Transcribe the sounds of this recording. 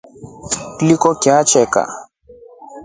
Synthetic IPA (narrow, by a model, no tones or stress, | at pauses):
klikɔkjat͡ʃɛka̰